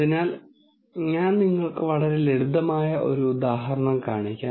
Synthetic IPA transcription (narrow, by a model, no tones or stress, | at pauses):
inaːl | ɲaːnniŋːɐɭkɨʋɐɭɐɾele̞ɽud̪ɐmaːjɐʔo̞̰ɾuːd̪aːɦɐɾɐɳɐmkaːɳikʲːaː